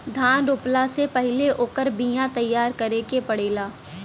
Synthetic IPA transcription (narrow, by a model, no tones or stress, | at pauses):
d̪ʱãːnɾʊplasepɐɦɪleʔoːkəɾbĩjãt̪ɐjːaːɾkɐɾekepɐɽeːlaː